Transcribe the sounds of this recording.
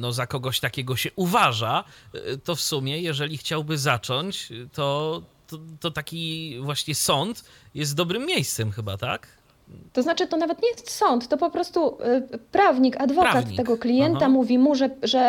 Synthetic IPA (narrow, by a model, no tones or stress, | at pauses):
nɔzakɔɡɔɕt̪akʲɛɡɔɕɛʔuvaʐat̪ɔfsumʲjɛjɛʐɛlʲixt͡ɕawbɘzat͡ʂɔɲt͡ɕt̪ɔt̪ɔt̪ɔt̪akʲivwaɕɲɛsɔnt̪ | jɛst̪̚d̪ɔbɾɘmʲːjejst̪sɛmxɘba̰t̪a̰k | t̪ɔznat͡ʂɘt̪ɔnavɛt̪ɲejɛst̪sɔnt̪ːɔpɔpɾɔst̪upɾavɲikad̪vɔkatɲiːɛɡɔklʲijɛnt̪amuvʲimuʐɛʐɛ